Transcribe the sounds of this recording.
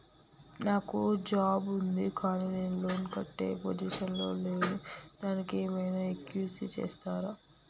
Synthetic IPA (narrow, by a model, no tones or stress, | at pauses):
naːkud͡ʒaːbund̪ikaːniːne̞ːnulo̞ːnkɐʈːe̞̰ːpod͡ʒiːʃɐnlo̞ːleːnud̪̥aːnikeːmɐjnɐekjuːsit͡ʃḛːst̪aːɾaː